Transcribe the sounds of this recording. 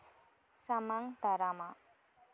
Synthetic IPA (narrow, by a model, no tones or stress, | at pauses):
samaŋd̪̥a̤ɾama